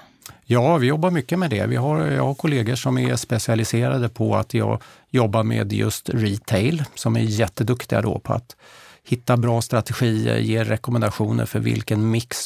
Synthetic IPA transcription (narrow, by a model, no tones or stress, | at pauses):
jɑːvɪjɔbːaɾmʏkːəmɛd̪ɛ̰vɪɦaɾjɑ̰ːhaɾkʰʊleːɡəʂɔmæʂpɛsɪalɪseːɾad̪əpʰɔa̰t̪jɑ̰ːɡ | jɔbːaɾmeːd̪jɵ̰st̪ɾiːt̪ʰɛɪlsɔmæɾjɛt̪ːəd̪ɵkt̪ɪɡa̰d̪ɔ̰pʰɔa̰t̪hɪt̪ːabɾɑːst̪ɾat̪ɛɧiːə̰ɾjeːɛkɔmɛnd̪aɧuːnə̰ɾfœɾvɪ̰lkənmɪks